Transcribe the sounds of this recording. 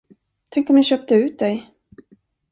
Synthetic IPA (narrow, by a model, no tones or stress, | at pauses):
t̪ʰɛŋkɔmj̪aɕœːp̚t̪əʉ̟ːt̪̚d̪ɛj